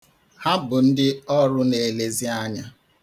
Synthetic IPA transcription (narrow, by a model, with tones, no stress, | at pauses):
ha˦bʊ˨n̩˦dɪ˦ɔ˦ɾʊ˦ne˨le˨zi˦a˦ɲa˦